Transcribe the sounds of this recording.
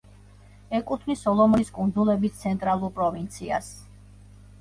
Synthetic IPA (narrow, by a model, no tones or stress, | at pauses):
ɛkʼut̪ʰvnisɔlˠɔmɔɾiskʼund̪zulɛbit̪t̪sʰɛnt̪ʼɾalˠuɾpʼɾɔvint̪sʰia̰s